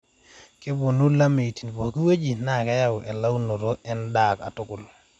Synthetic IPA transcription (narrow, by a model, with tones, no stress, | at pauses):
kɪ˦bo˨nu˦la˦me˨ti˨n˨bɔ˨ki˦we˦d͡ʒi˨na˦˨ka˦ja˦wʔɛ˨la˦wno˨ɾo˦ɛ˦nda˨ka̰˨tʊ˦kʊ˨l